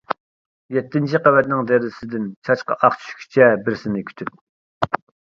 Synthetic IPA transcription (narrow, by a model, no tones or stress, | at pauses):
jɛt̪ʰːɪnt͡ʃʰiqɛwɛt̪̚nɪŋd̪ɛɾɪsɪd̪ɪnt͡ʃʰɑt͡ʃqɑ̰ʔɑχt͡ʃʰy̥ʃkʲʰy̥t͡ʃʰɛbɪɾsɪnɪkʲʰy̥t̪ʰyp̚